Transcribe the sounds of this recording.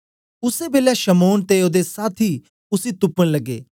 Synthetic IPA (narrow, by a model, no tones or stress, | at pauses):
ʊsebeːlɛʃəmoːnt̪eoːd̪esaːt̪ʰiː | ʊsiːt̪ʊpːəɽ̃ləɡːḛː